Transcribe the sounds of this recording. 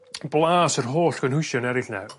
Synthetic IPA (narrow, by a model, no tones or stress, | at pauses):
blˠaːsərɦoːɬɡ̥ənhʊjʃjɔnɛɾɪɬnɛ̰